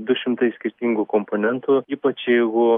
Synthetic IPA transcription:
d̪ʊʃʲɪmt̪ɐɪsʲkʲɪɾʲt̪ʲiŋɡʊkomponʲɛnt̪uiːpɐt͡ʃʲeɡʊ

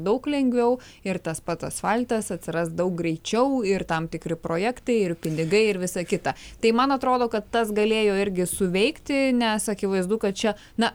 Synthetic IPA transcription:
d̪ɐʊklʲɛŋʲɡʲʋʲɛʊ | ɪrt̪ɐspɑt̪ɐsfɐlʲt̪ɐsɐt̪ʲsʲɪɾɑsd̪ɐʊk̚ɡɾʲɛɪt͡ʃʲɛʊɪrt̪ɐmt̪ʲɪkɾʲɪpɾoːjæːkt̪ɐɪɪrpʲɪnʲɪɡɐɪɪɾʋʲɪsɐkʲɪt̪ɐt̪ɐɪmɐnɐt̪ɾoːd̪oːkɐt̪ːɐsɡɐlʲeːjoːɪɾʲɡʲɪsʊʋʲɛɪkt̪ʲɪnʲɛsɐkʲɪʋɐɪzd̪ʊkɐt̪̚t͡ʃʲɛ | nɐ

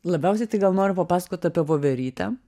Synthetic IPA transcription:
lˠɐbʲɛʊsʲɛɪt̪ɐɪɡɐlˠnoːɾʲɪpɐpɑːsɐ̥koːt̪ɐpʲiɛʋoːʋʲɛɾʲiːt̪ʲɐ̰

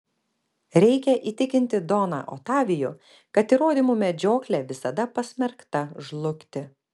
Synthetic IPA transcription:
ɾʲɛɪkʲɛʔit̪ʲɪkʲɪnʲt̪ʲɪd̪ɔnɑ̰ʔo̰t̪ɑːʋʲɪjʊ | kɐt̪iɾoːd̪ʲiːmuːmʲɛd͡ʒʲoːklʲɛʋʲɪsɐd̪ɐpɐsʲmʲɛɾkt̪ɐʒlˠʊkt̪ʲɪ

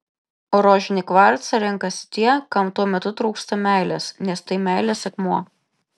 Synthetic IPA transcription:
oːɾɔːʒʲɪnʲɪkʋɑɾt̪sɐɾʲɛŋˑkɐsʲt̪ʲiɛkɐmt̪uɔmʲɛt̪ʊt̪ɾɐʊkst̪ɐmʲæˑɪlʲɛsnʲɛst̪ɐɪmʲæˑɪlʲɛsʲɛkmuɔ

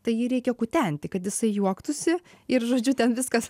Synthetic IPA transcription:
t̪ɐɪjɪɾʲɛɪkʲɛkʊt̪ʲɛnʲt̪ʲɪkɐt̪jɪsɐɪjuɔkt̪ʊsʲɪ | ɪrʒoːd͡ʒʲʊt̪ʲɛnʋʲɪskɐs

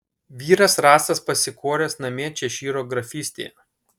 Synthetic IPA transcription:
ʋʲiːɾɐsɾɑːst̪ɐspɐsʲɪkoːɾʲɛsnɐmʲeːt͡ʃʲɛʃʲiːɾoːɡɾɐfʲiːsʲt̪ʲḛː

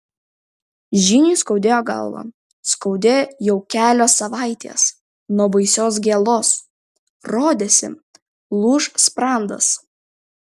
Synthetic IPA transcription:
ʒʲinʲuːskɔʊd̪ʲeːjoːɡɐ̰lˠʋo̰ | skɔʊd̪ʲejɛʊkʲæːlʲoːsɐʋɑˑɪt̪ʲʰḛːs | nuɔbɐɪsʲoːs̬ɡʲelˠoːs | ɾoːd̪ʲeːsʲɪ̰ | lˠuːʃspɾɑˑnd̪ɐ̰s

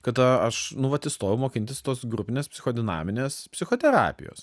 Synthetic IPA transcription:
kɐt̪ɐɐʃnʊʋɐt̪ʲɪst̪oːjʊmoːkʲɪnt̪ʲɪst̪oːsɡɾʊpʲɪnʲeːspʲsʲɪxoːd̪ʲɪnɑ̰ːmʲɪnʲeːspʲsʲɪxoːt̪ʲɛɾɑ̰ːpʲɪ̰jo̰ːs

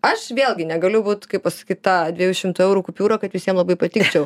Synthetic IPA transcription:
ɐʃʋʲeːlˠʲɡʲɪnʲɛɡɐlʲʊbuːt̪kɐɪpɐsɐ̥kʲiːt̪t̪ɑːd̪ʲʋʲeːjuːʃʲɪmt̪ʊɛʊɾuːkʊpʲuːɾɐkɐt̪ʋʲɪsʲiɛmlˠɐbɐɪpɐt̪ʲɪkt͡ʃʲɛʊ

